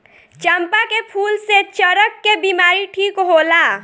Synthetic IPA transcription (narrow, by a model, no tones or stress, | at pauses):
t͡ʃəmpakepʰuːlset͡ʃəɾəkːebiːmaːɾiʈʰiːkɦoːlaː